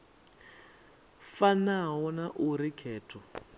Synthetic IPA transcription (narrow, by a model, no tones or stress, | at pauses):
fanaɦɔnaʔuɾikʰɛːtʰɔ